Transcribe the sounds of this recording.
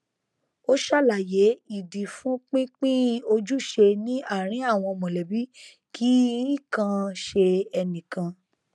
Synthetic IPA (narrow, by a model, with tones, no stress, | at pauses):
o˦ʃa˦˨la˨je˨˦i˦˨di˨fũ˨˦k͡pĩ˦k͡pĩ˦o˧d͡ʒu˦ʃe˧nĩ˦a˦˨ɾ̃ĩ˨˦a˦˨w̃ɔ̃˧mɔ̃˨lɛ˨bi˦ | kʰi˦i˦˨kã˧ʃe˧ɛ˧nĩ˨kã˧